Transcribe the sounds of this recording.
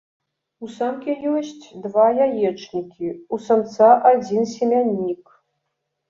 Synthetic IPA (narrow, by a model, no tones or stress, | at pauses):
usamkʲʰejuɕtʰʲd̪vajajɛʈ͡ʂʰʼnʲikʲʰiusɐmt͡sʰaʔad͡zʲinsʲemʲanʲːik